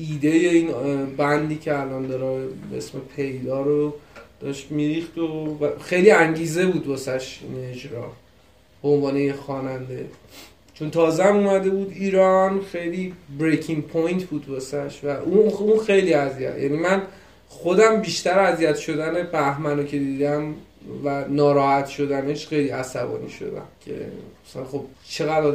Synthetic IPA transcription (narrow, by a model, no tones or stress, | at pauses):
iːd̪e̞jeiːnbænd̪iːcʰeælɒːnd̪ɒːɾɒe̞̰smepʰe̞jd̪ɒːɾod̪̥ɒʃt̪miɾiːχd̪ovæxejliːæŋɟiːze̞buːd̪̚bɒsæʃined͡ʒɾɒ̰ː | b̥eonvɒːne̞jexɒːnænd̪e̞̰ | t͡ʃʰont̪ʰɒːzeæmumæd̪e̞buːd̪iːɾɒnxejliːbɾejcʰiŋpʰojnt̪ʰbuːd̪bɒsæʃvæʔuunxejliːæzijæ̰t̪jæ̰ːniːmæn | χo̞d̪æmbiːʃt̪æɾæzijæt̪ʃo̞d̪æne̞bæhmænocʰe̞d̪iːd̪æmvænɒːɾɒːhæt̪ʃo̞d̪æneʃxejliːæsæbɒ̰ːnḭːʃo̰d̪æ̰mcʰe̞̰æsnχob̥t͡ʃʰe̞ɣæd̪ɾɒː